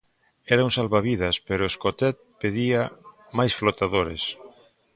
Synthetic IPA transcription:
ɛɾaŋsalβaβiðɐspeɾʊeskot̪ɛt̪̚peðia | majsflot̪aðoɾḛs

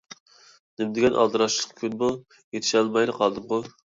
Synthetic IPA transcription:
nɪmd̪ɪɡʲɛnʔɑ̰lˠd̪ɨɾɑʃlˠə̥qkʲʰynbu | jet̪ʰɪ̥ʃɑlˠmɑjlˠəqʰɑlˠd̪ɨmqʊ

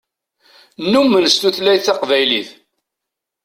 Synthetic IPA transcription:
nːumːənst̪uθlæjθɑqvæjliθ

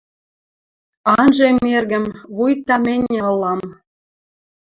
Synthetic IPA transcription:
ɑnʒemːerɣə̆mβujt̪ːɑmĕnʲeɤ̆lːɑm

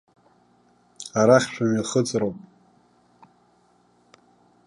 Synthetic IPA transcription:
aɾaχʲʃʷʰamiχət͡sʼrowpʼ

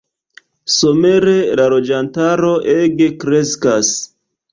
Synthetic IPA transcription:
so̞me̞ɾe̞lalo̞d͡ʒantaɾo̞ʔeɡe̞kɾe̞skas

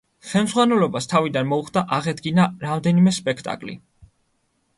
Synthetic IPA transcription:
χɛlmzʁwanɛlɔbast̪ʰavid̪anmɔuχd̪aʔaʁɛd̪ɡinaɾamd̪ɛnimɛspʼɛkʰt̪ʼa̰kʼlḭ

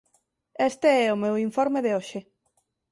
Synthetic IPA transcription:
est̪eɛʊmewiɱfoɾmeðeoʃe

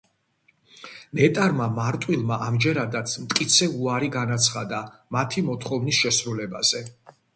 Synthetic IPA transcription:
mɛt̪ʼaɾmamaɾt̪ʼwilˠmaʔamd͡ʒɛɾad̪at̪sʰmt̪ʼkʼit̪sʰɛuaɾiɡanat̪sʰχad̪amat̪ʰimɔt̪ʰχɔvnisʃɛsɾulɛbaz̥ɛ

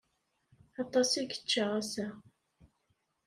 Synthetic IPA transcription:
ɑt̪ˤːɑsiɡə̥t͡ʃːaʁæsæ

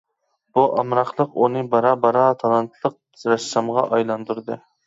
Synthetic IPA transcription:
b̥uʔɑmɾɑχlˠəqunɨbɑɾɑbɑɾɑt̪ʰɑlˠɑnt̪ʰlˠəq̚ | zɾɛsɑmʁɑʔɑjlˠɑnd̪uɾd̪ɨ

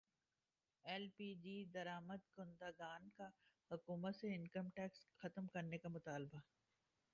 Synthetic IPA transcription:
ɛlpiːd͡ʒiːd̪ɐɾaːməd̪kʊnd̪aːɡaːnkahʊkuːmət̪seɪnkəmʈɛːksxɐt̪əmkɐɾnekamʊt̪aːlba

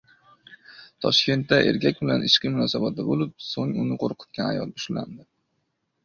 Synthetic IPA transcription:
t̪ʰɒʃkʲe̞nt̪d̪aʔe̞ɾkʲʰakʲbɪlanʔɪʃqɨmʊnɒsabat̪̚d̪abolɪp̚soŋʊnɪqʰoɾqʰɨ̥t̪̚kʲana̰jɒ̰l̚bʊʃla̰nd̪ɪ

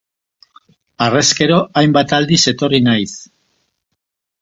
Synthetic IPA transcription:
are̞ske̞ɾo̞ʔajmbat̪ald̪ise̞t̪o̞rinajs

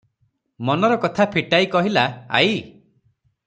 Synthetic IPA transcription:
mɔnɔɾɔkɔt̪ʰapʰiʈajkɔɦilaa̰j

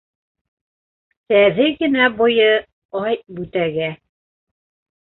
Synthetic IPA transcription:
t̪æðɘɡɘ̆næbojɤ | ɑjbʉt̪æɡæ

